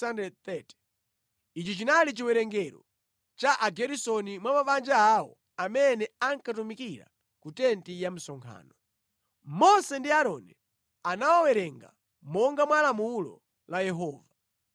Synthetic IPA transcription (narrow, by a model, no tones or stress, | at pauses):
andɛt̪ɛtɛ̥ | it͡ʃit͡ʃinalit͡ʃiwɛɾɛŋɡɛɾɔ̰ | t͡ʃaʔaɡɛɾisɔnimwamapand͡ʒaːwɔ̰ | amɛnɛaŋkatumikiɾa̰ | kutɛntijam̩sɔŋkʰa̰ːnɔ | mɔsɛndiaɾɔnɛ | anawawɛɾɛŋɡa̰ | mɔŋɡamwalamulɔ̰ | lajɛɦɔːva